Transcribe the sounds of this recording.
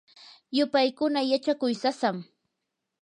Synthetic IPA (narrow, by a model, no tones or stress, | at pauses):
jʊpajkʊnajat͡ʃakʊjsasam